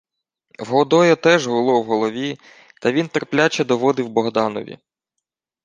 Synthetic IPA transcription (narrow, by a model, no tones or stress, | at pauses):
wɦɔd̪ɔjɐt̪ɛʒɦʊlˠɔwɦɔlˠɔʋʲi | t̪ɐʋʲint̪erplʲat͡ʃɛd̪ɔʋɔd̪ɪwbɔɦd̪ɑnɔ̰ʋʲḭ